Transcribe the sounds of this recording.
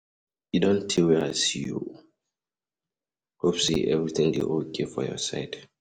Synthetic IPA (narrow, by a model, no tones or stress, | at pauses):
idõntʰːiwɛaɪsijṵ | hopsḭʔɛvɹiθɪ̃ŋdḛʔokʰefɔjɔ̰saɪd